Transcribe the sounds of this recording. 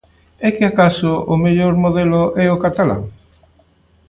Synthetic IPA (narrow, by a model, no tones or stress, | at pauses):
ɛkɪakasʊʊmeʎoɾmoðelʊʔɛʊkat̪ala̰ŋ